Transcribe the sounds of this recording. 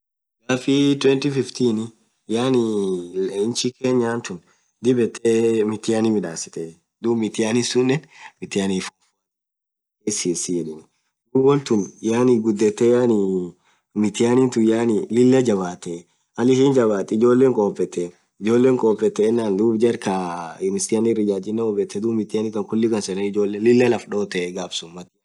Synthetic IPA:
ɡaːfit̪wɛnt̪ifɪft̪iːn | jaːni | ɪnt͡ʃikeːɲːaːnt̪ʊn | d̪ɪbɛt̪ʰːeːmɪt̪ɪjaːnimɪᶑaːsɪ̥t̪e | d̪uːbmɪt̪ɪjaːnisʊnːɛnmɪt̪ɪjaːnifof | esiːsijɛᶑɪnɪ | d̪uːbɔnt̪ʊnjaːniɡʊd̪ːɛt̪ːeːjani | mɪt̪ɪjaːnint̪ʊjaːnilɪlːɐd͡ʒɐβaːt̪ːe | ʔɐlɪhind͡ʒɐbaːt̪ːɛɪd͡ʒo̞ːlːeːŋkʼoːpʼːɛt̪ːen | ɪd͡ʒo̞ːlːeːŋkʼoːpʼːɛt̪ːɛɪnːaːnd̪uːbd͡ʒɐɾkaɪmɪstɪjanɪɾɪd͡ʒaːd͡ʒɪnːɛɔbɛt̪ːɛd̪uːmɪt̪ɪjaːnɪkɐŋkʊlːɪkɐnsɛnɛɪd͡ʒo̞ːlːeːlɪlːɐlɐfᶑo̞ːt̪ɛɡaːbsʊmːɐt̪ːɪ

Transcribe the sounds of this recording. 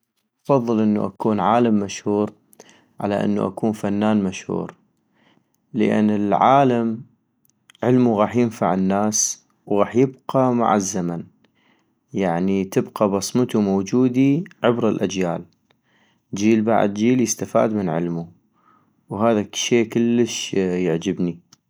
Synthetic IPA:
ʔɑfɑðˤːɨlʔɪnːṵʔakuːnʕaːlamːaʃhuːɾ | ʕa̰la̰ʔɪ̰nːṵʔa̰kuːnfanːaːnmaʃhṵːɾ | ləʔa̰nːɪlʕaːlam | ʕɪlmuɣaːħjɪnfa̰ʕɪnːaːs | wɣaːħjɪb̚qama̰ʕazːaman | jaʕnit̪ɪbqabɑsˤmət̪umowd͡ʒuːd̪iʕɪbɾɪlʔad͡ʒjaːl | d͡ʒiːlba̰ʕ̰d̪̚d͡ʒiːljɪst̪afa̰ːd̪mɪnʕɪ̰lmu | wɦaːðaʃeːkɪlːəʃjɪʕd͡ʒɪbni

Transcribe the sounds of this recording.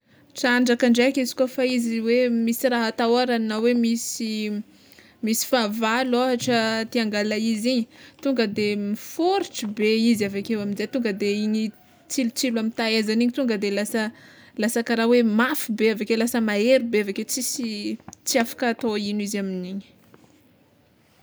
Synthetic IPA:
t͡saɳɖ͡ʐakaɳɖ͡ʐekizi̥kofaiziwemisiraɦat̪aaɾanawemisi | misi̥favalaaʈ͡ʂət̪iaŋɡalaiziɲit̪uŋɡəd̪emifuɾiʈ͡ʂibeizavakewaminzet̪uŋɡəd̪eiɲi | t͡silut͡silamit̪aezaniɲit̪uŋɡəd̪elasə | lasakaɾawemafibeavakelasəmaeɾubeavaket͡sisit͡siafḁkat̪oinizaminiɲi̥

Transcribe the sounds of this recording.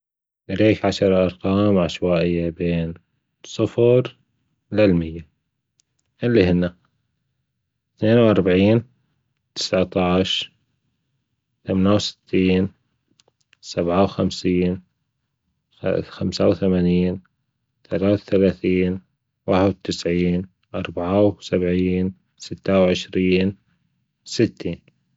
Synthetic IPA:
ʔaɾeːkʕaʃɑɾˤʔɑɾˤqɑːmʕaʃwaːʔɪjːabeːn | sˤɨfɾ | lɪlmɪjːa | ʔɪlːihɪnːa | θneːnwʔɑɾˤbʕiːn | t̪ɪ̥sʕt̪ɑʕʃ | θamanawsɪ̥t̪ʰːiːn | sabʕawxamsiːn | xamsawθamaːniːn | θalaːθalaːθiːn | waħɪd̪̚t̪ɪsʕiːn | ʔɑɾˤbaʕawsabʕiːn | sɪt̪ːawʕɪʃɾiːn | sɪt̪ːiːn

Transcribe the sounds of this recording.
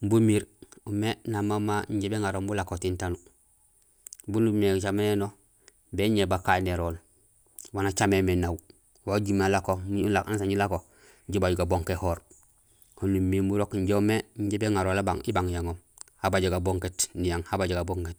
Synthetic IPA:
mbumiɾumenamamaɲɟebeŋaɾombulakotintanu | bunumet͡ʃameneno | beɲebakaneɾoːl | wanat͡ʃamemenaw | waɟumelakomulakans̬aɲulako | ɲɟubaɟuɡaboŋkehoːɾ | honumiːmbuɾokɲɟoumeɲɟebeŋaɾolaba̰ŋibaŋjaŋomhabaɟoɡaboŋketnijaŋhabaɟoɡaboŋket

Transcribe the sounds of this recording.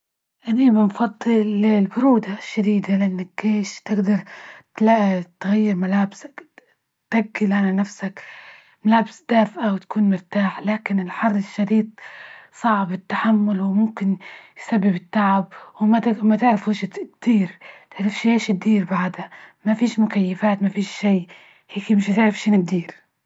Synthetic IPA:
ʔanibɪnfɑd̪ˤːɨllbʊɾuːd̪aʃːad̪iːd̪alaʔɪnːakːeːʃt̪ɪɡd̪ɑɾˤt̪laʔt̪ɣajːɪɾmalaːbsḁk | t̪aɡːɪlʔananafsak | malaːbɪsd̪aːfʔawɪt̪ḁkuːnmʊɾt̪aːħlaːkɪnɪlħɑrˤːɪʃːɑɾiːt̪̚ˤsˤɑʕbɪt̪ːaħamːʊlwmʊmkɪnjsabːɪbɪt̪ːaʕab̚wmamat̪ɪʕɾɪfuːʃt̪d̪̥iːɾt̪ɪʕɾɪfʃieːʃɪt̪̚d̪iːɾbaʕd̪amafiːʃmʊkajːafaːt̪mafiːʃʃiː | heːkimɪʃt̪ɪʕɾɪfʃɪnɪd̪iːɾ

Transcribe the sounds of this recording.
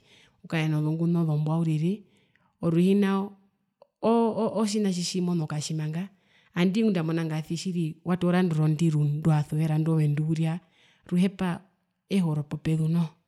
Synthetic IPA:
ukajɛnɔðɔŋɡunɔðɔmbwauɾiɾi | ɔɾuhina | ʔːʃ̬inaʃ̬iʃimɔnɔkaʃimaŋɡaː | ndiŋundamɔnaŋɡaθiʃiɾiwʔatɔɾandɔɾɔndiɾundwaθuwɛɾandɔwɛnduuɾia | ɾuɦɛpa | ɛhɔɾɔpɔpɛðunɔ

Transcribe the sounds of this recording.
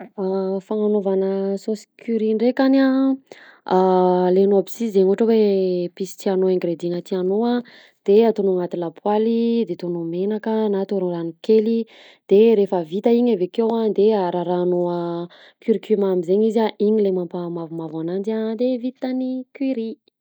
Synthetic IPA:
afaŋanovanəsosi̥kʰyɾiɳɖ͡ʐekana | alenoabisiszeɲuʈ͡ʂawepisi̥t̪ianoeŋɡɾed̪ienət̪ianoa | d̪̥eat̪onuŋat̪ilapʰwalid̪et̪onumenakənat̪oɾolanikeli | d̪̥eɾefəvit̪aiɲavekewad̪eaɾaɾaːnoə | kyɾkimamizeɲizaʔiɲilemampamavumavanand͡ʒad̪evit̪anikiɾi

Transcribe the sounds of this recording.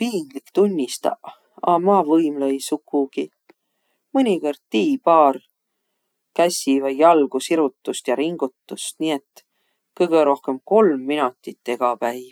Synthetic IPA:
piːŋɡ̥likt̪unʲːist̪ɑ̰ | ɑmɑːvɤjmlɤjsukːˑuɡ̥i | mɤnʲikord̪̥̚t̪iːpɑːr | kæsʲivɑjjɑlɡ̥usiɾut̪ːust̪jɑɾiŋɡ̥ut̪ːust̪niːet̪ː | kɤjɡ̥eɾo̞hke̞mko̞lmːinut̪ːˑit̪ːe̞ɡ̥ɑpæj

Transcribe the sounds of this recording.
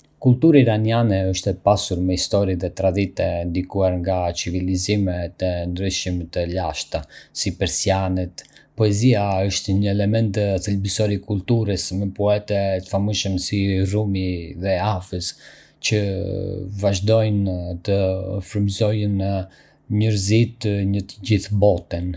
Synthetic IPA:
kult̪uɾaiɾanianɛəʃt̪ɛpasuɾmɛhist̪ɔɾiðɛt̪ɾad̪it̪ɛnd̪ikuaɾŋɡat͡ʃivilizimɛt̪ɛnd̪ɾyʃimɛt̪ɛlaʃt̪asipɛɾsianɛt̪pɔɛziaəʃt̪ɲəɛlɛmɛnt̪θilbisɔɾikult̪uɾəsmɛpɔɛt̪ɛt̪ə̥famuʃəmsirumiðɛafəs | cə | vaʒd̪ɔjnt̪əfɾəmzɔjən | ɲəɾzit̪ɲət̪əd͡ʑiθbɔt̪ɛn

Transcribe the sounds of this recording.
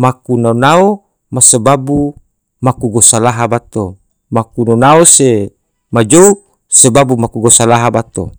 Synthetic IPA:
makunaonao | masəbabu | makuɡosalaɦabat̪o | makunonaose | mad͡ʒou | səbabumakuɡosalaɦabat̪o̰

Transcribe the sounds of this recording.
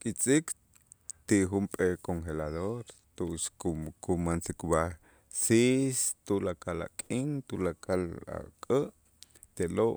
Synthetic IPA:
kʼit͡sʼik | t̪iʔxumpʼekoŋxelaðoɾ | t̪uʔʃukumansikba | sist̪ulakala̰kʼiŋt̪ulakala̰kʼəʔ | t̪eloʔ

